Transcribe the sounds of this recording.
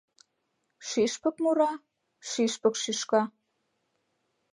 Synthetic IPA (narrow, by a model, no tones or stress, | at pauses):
ʃiʃpə̆kmuɾɑ | ʃiʃpə̆kʃiʃkɑ